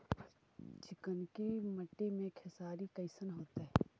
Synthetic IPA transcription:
t͡ʃɪkənkiməʈːimẽkʰesaːɾikəɪsənɦoːt̪aɦɛ

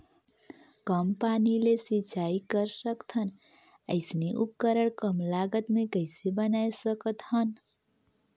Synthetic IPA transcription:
kəmpanilesit͡ʃaikəɾsəkt̪ʰən | ə̰ɪsniʔup̚kəɾəɽkəmlaɡət̪mekəɪsebənajsəkət̪hən

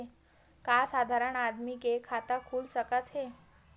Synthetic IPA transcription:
kasad̪ʱaɾəɳad̪mikekʰat̪əkʰuːlsəkət̪ɦe

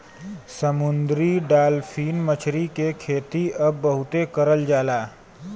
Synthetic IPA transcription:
səmʊnd̪ɾiɖaːlfʰiːnmət͡ʃʰɾikekʰeːt̪iɐbːəɦʊt̪ekəɾəld͡ʒaːlaː

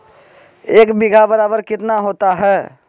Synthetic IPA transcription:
eːkbiɡʱabəɾaːbəɾkɪt̪naɦoːt̪aɦɛː

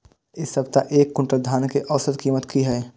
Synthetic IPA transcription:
ɪsːɐbt̪aʔeːkːʊ̃ɳʈəld̪ʱaːnkeʔɐʋsət̪kiːmət̪kiɦɛː

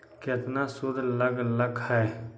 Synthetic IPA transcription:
ket̪nasʊɾləɡləɡhɛː

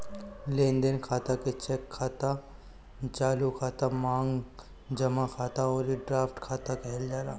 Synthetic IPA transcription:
lẽːnd̪ənkʰaːt̪aket͡ʃɛkʰːaːt̪a | d͡ʒaːlukʰaːt̪amãːŋɡ | d͡ʒɐmakʰaːt̪aɔːɾeɖɾaːfʈkʰaːt̪akɛːld͡ʒaːɾaː

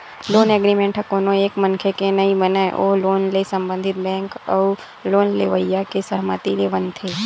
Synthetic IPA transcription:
loːneːɡɾimẽːɳʈɦəkoːnõeːkmənkʰekenɐɦĩbənaeʔoːloːnlesə̃mbə̃nd̪ʱɪt̪̚bɛ̃ːŋkə | loːnleʋəjjakesəɦmət̪ileʋənt̪ʰeː

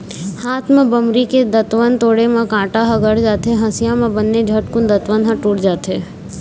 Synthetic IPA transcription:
haːt̪ʰmẽbəmɾiked̪ət̪ʋənt̪oːɽemẽkãːʈaɦəɡəɽd͡ʒaːt̪ɦeɦə̃sɪjamẽbənːed͡ʒʱəʈkʊnd̪ət̪ʋənɦə̃ʈuːʈd͡ʒaːt̪ɦeː

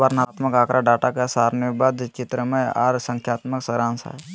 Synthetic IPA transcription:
əɾnat̪məkaːkɾʔaɖaːʈakesaːɾnobad̪t͡ʃɪt̪ɾəmẽaːɾsə̃ŋkʰjaːt̪məksəɾãːnsa̰

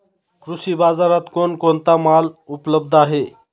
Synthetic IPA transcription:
kɾusiːbad͡zaɾat̪konkont̪amalupləb̚d̪ʱaɦe

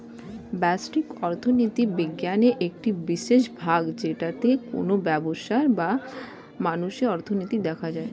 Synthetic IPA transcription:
bɛsʈikɔɾt̪ʰonit̪ibiɡːjaneʔek̚ʈibiʃeʃbʱaɡd͡ʑeʈat̪eko̰nobɛboʃaɾba | manuʃeɔɾt̪ʰonit̪id̪ɛkʰad͡ʑae

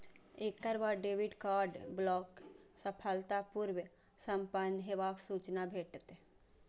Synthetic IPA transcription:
eːkkəɾbaɖeːʋɪɖkaːɾɖblɔːksəpʰəlt̪apuɾw | sə̃mpənɦeʋaːksuːt͡ʃnabʱeːʈt̪e

